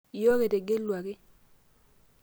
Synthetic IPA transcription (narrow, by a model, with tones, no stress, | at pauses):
jo˦ke˨te˨ɡe˦lwa˨kɪ˦